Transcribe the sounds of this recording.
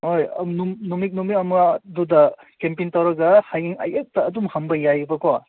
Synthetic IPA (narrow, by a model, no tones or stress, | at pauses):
ojɐ̰numnumik̚numik̚ɐmɐdudɐ | kempintawɾɐɡɐhajiŋɐ̰jʔek̚tɐːdumhɐmbɐjajbɐko